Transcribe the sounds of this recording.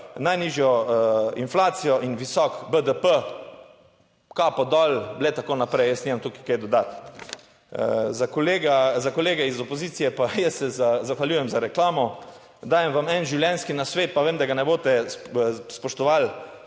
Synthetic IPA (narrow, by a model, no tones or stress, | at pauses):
najniːʒjɔinflaːt̪sijɔʔinʋisɔkbəd̪əpə | kapɔd̪ɔlblet̪akoːnapɾɛjjəsnimamt̪uki̥kajd̪ɔd̪at̪ | zakoleɡazakɔleːɡɛizɔpɔziːt̪sijɛpajɛst̪sɛzazaxʋaljuːjɛmzaɾɛklaːmɔ | d̪aːjɛmʋamɛnʒiwljɛnskinasʋeːt̪̚paʋeːmd̪aɡanɛboːt̪ɛ | spɔʃt̪ɔʋal